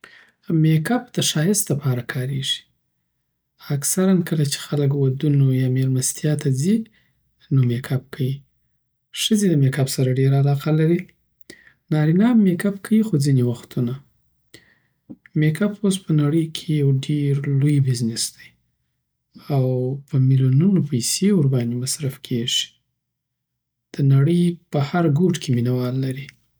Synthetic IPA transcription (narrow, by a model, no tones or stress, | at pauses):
mekap̚d̪̥əʃɑjɪst̪ləpɑɾakʰɑɾeʐi̥ | aksaɾankəlat͡ʃe̥xaləkwad̪unojɑmeɾmast̪jɑt̪azi | nomekʰap̚kʰawi | ʂəzed̪əmekapsaɾaɖeɾaːlɑqalaɾi | nɑɾinɑmːekapkʰawixod͡zinewaxt̪ʰuna | mekapos̬pənaɽəjkʰejawɖeɾlojbɪznɪsd̪aj | awpəmiljununopajseʊɾbɑnd̪emasɾafkʰeʒi̥ | d̪̥ənaɽəjpəhaɾɡoʈkʰeminawɑlːaɾi